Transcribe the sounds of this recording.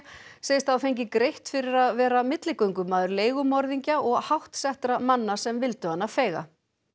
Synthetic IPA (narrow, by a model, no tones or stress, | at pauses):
seːjɪst̪θawfejɲcɪkɾejht̪fɪɾɪɾaðvɛːɾamɪt̪lɪkœŋkʏmaːðʏɾleːjɣʏmɔɾðiɲcaɔɣhawht̪sɛht̪ɾamanːasɛmvɪlt̪ʏhanːafɛːjɣa̰